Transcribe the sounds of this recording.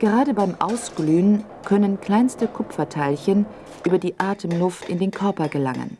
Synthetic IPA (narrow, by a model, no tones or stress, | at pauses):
ɡ̥əʁaːdəbaɪmʔa̰ʊsɡ̥lyːn | kʰœnənkl̥aɪnstəkʰʊpfɐtʰaɪlçən | ʔyːbɐdiːʔaːtʰəmnʊftɪ̰ndeːnkʰœɐpɐɡəla̰ŋə̰n